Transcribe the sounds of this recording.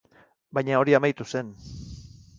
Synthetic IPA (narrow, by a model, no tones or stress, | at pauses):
bajɲao̞ɾiamajt̪use̞n